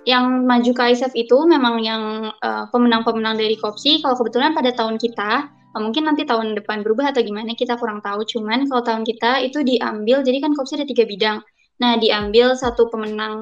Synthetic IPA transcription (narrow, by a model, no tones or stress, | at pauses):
jaŋmad͡ʒukəajsɛfit̪umemaŋjaŋəːpəmənaŋpəmənaŋdaɾikop̚sikalawkəbət̪ulanpadat̪aɦʊnkit̪a | əmuŋkɪnːant̪it̪aɦʊndəpanbəɾubaɦat̪awɡimanakit̪akuɾaŋt̪aut͡ʃumankalawt̪aʊnkit̪ait̪udiʔa̰mbɪld͡ʒadikankopsiadat̪iɡabidaŋ | nahdiambɪlsat̪upəmənaŋ